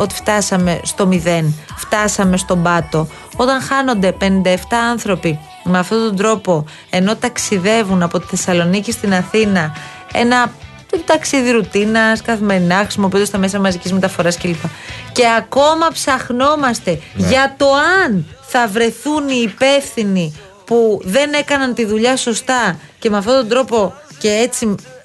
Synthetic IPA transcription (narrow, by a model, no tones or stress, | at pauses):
o̞t̪i̥ft̪ɐsɐme̞st̪o̞miðe̞nft̪ɐsɐme̞st̪o̞bɐt̪o̞ | o̞t̪ɐŋxɐno̞nd̪e̞pe̞nind̪ɐeft̪ɐɐnθɾo̞pi | meɐft̪o̞t̪ond̪ɾo̞po̞ | e̞no̞t̪ɐksiðe̞vunɐpo̞t̪i̥θe̞sɐlo̞nicest̪inɐθinɐ | e̞̰nɐ | t̪t̪ɐksiðiɾut̪inɐskɐθime̞ɾinɐxɾisimo̞piud̪st̪ɐme̞sɐmɐzicizme̞t̪ɐfo̞ɾɐsce̞lipɐce̞ɐko̞mɐpsɐxno̞mɐst̪e̞ʝɐt̪o̞ɐnθɐvɾe̞θuniːpe̞fθini | puðe̞ne̞kɐnɐnt̪iðuʎɐso̞st̪ɐ | ce̞meɐft̪o̞t̪od̪ɾo̞po̞ce̞et͡si